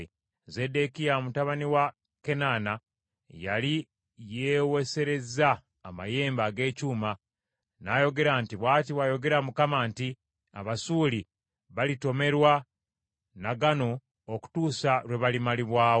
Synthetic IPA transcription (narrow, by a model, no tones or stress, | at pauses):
ze̞dekijamutaβaniwa | ke̞naːna | jali | jeːwe̞se̞ɾe̞zaː | ma̰je̞ːmbaɡe̞ːcuːma | najo̞ɡe̞ɾaːntiβwaːt̬iβwajo̞ɡe̞ɾamukamaːnti | a̰βasuːli | βalito̞me̞ɾwa | naɡano̞ | oku̥tuːsaɾwe̞βalimaliβwaːwo